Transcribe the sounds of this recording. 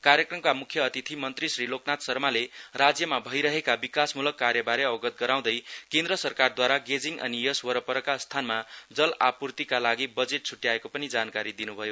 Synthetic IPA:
kaɾjʌkrʌmkamukʰjʌːt̪it̪ʰimʌnt̪risriloknat̪sʌrmalerad͡zjʌmabʱʌjɾʌɦekabikasmulʌkːarjʌbaɾeʌbʌɡʌt̪̚ɡʌɾaw̃d̪ʌjkẽnd̪rʌsʌrkard̪waɾaɡed͡ziŋɡʔʌ̰nijʌswʌɾʌpʌɾʌkast̪ʰanmad͡zʌlapurt̪ikalaɡibʌd͡zeʈ̚t͡sʰuʈjaekopʌnid͡zankaɾid̪inubʱʌjo

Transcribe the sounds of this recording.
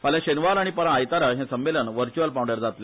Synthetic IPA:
paljãɕənʋaɾaɽ̃ipəɾãːjt̪aɾaɦɛ̃səmːelənʋəɾt͡ɕualpawɖəɾd͡zat̪le

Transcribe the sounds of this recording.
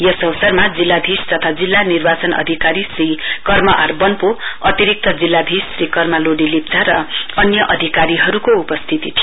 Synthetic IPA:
jʌsʌwsʌrmad͡zilːabʱist̪ʌt̪ʰad͡zilːanirbat͡sʌnʌ̰d̪ʱikaɾisrikʌrmʌʔarbʌnpoʌt̪iɾik̚t̪ʰʌd͡zilːabʱissrikʌrmaloɽilip̚d͡zaɾʌʌnjʌʔʌd̪ʱikaɾiɦʌɾukoupʌst̪ʰit̪it̪ʰi

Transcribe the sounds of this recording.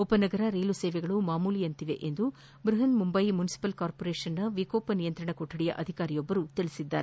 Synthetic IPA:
ɔpɐnɐɡɐɾɐɾeːluseːʋɛɡɐɭumaːmuːlijɐnt̪iʋḛʔend̪u | bɾɐɦɐnmumbɐjmunisi̥pɐlkaːɾpoɾeːʂɐnːɐʋikoːpɐnijɐnt̪ɾɐɳɐkoʈːɐɽijɐ̰ʔɐd̪ʱikaːɾijobːɐɾut̪iɭisid̪ːa̰ːɾe

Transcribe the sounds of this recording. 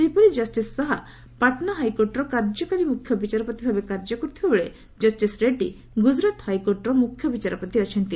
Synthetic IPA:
t̪epɔɾid͡ʒɐsʈisːɔɦa | paʈnaɦajkoɾʈɾɔkaɾd͡ʒɔkaɾimukʰjɔbit͡ʃaɾɔpɔt̪ibʱabekaɾd͡ʒɔkɔɾut̪ʰibabeɭe | d͡ʒɐsʈisɾeʈḭ | ɡud͡ʒɾat̪hajkoɾʈɾɔmukʰjɔbit͡ʃaɾɔpɔt̪iət͡ʃʰɔnt̪i

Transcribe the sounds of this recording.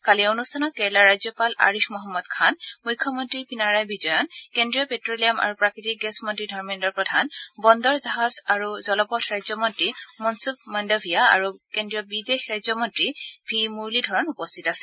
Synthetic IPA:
kalionustʰanɔt̚kɛɹlaɹajzjɔpala̰ɹixmɔɦɔmːɔdkʰanmujkʰːjɔmɔntɹipinaɹajbizɔjɔnkendɹiɔpetɹoliama̰ɹupɹakɹitik̚ɡɛsmɔntɹidʱɔɹmindɔɹpɹɔdʱanbɔndɔɹzaɦazaɹuzɔlɔpɔtʰɹajzɔmɔntɹimɔnsup̚mɔndɔbʱijaa̰ɹukendɹijɔbidexɹajzɔmɔntɹib̥ʱimuɹlidʱɔɹɔnupɔstʰitasɛ̥

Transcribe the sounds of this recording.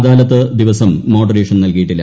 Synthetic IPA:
d̪aːlɐt̪ːɨd̪iʋɐsɐmːo̞ːɖɐrɾeːʂɐnnɐlkɐjiʈːilːɐ̰

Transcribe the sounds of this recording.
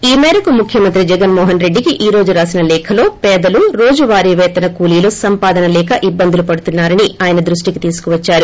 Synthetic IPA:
iːmɛːɾɐkumukʰjɐmɐnt̪ɾid͡ʒɛɡɐnmɔːɦɐnɾe̞ɖːikiʔiːɾo̞ːd͡ʒuɾaːsinɐlɛːkʰɐlo̞ːpɛːd̪ɐluɾo̞ːd͡ʒuʋaːɾiːʋɛːt̪ɐnɐkuːliːlusɐmpaːd̪ɐnɐlɛːkɐʔibːɐnd̪ulupɐɽut̪unːaːɾɐniaːjɐnɐd̪ɾuʂʈikit̪iːsu̥kuʋɐt͡ʃːaːɾu

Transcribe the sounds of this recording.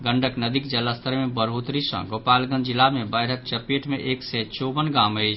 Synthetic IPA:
ɡəɳɖʱəknəd̪ikd͡ʒəlast̪ʰəɾmebəɾɦut̪ɾisə̰̃ɡopalɡə̃nd̪d͡ʒilamebəjɾək̚t͡ʃəpeʈmeʔeksɛt͡ʃobənɡaməɪt͡ʃʰ

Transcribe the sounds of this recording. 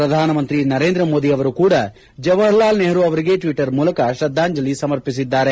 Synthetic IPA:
ɾɐd̪ʱaːnɐmɐnt̪ɾinɐɾe̞ːnd̪ɾɐmoːd̪iɐʋɐɾukuːɽɐ | d͡ʒɐʋɐɦlaːlneɦɐɾuɐʋɐɾiɡe̞ːʈʋiʈɐɾmuːlɐkɐʃɾɐd̪ʱːaːɲd͡ʒɐlisɐmɐɾpisid̪ːaːɾe

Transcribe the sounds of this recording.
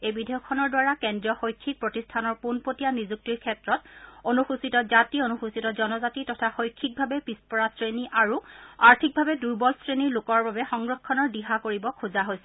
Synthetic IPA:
ejbidʱejɔkʰːɔnɔɹdwaɹakɛndɹiɔxojkʰːik̚pɹotistʰanɔɹpunpotijanizuk̚tiɹkʰɛtɹɔtonuxusitɔzationuxusitɔzɔnɔzatitɔtʰaxojkʰːik̚bʱabɛpispɔɹasɹeniʔaɹuaɹtʰik̚bʱabɛduɹbɔlsɹeniɹlokɔɹbabɛxɔŋɡɹɔkʰːɔnɔɹdiɦakoɹibɔkʰuzaɦojsɛ

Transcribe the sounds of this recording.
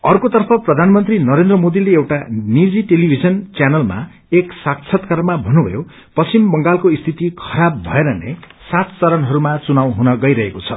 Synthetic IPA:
ʌrkot̪ʌrpʰʌprʌd̪ʱanmʌnt̪rinʌɾend̪rʌmod̪ileewʈanid͡ziʈelibʱid͡zʌnt͡sjanʌlma̰ | eksak̚t͡sʰʌt̪kʌɾmabʱʌnubʱʌ̰jo | pʌt͡simbʌŋɡalkoist̪ʰit̪ikʰʌɾabːʱʌeɾʌnḛ | sat̪t͡sʌɾʌnɦʌɾumat͡sunawɦunʌɡʌjɾʌɦekot͡sʰʌ̰

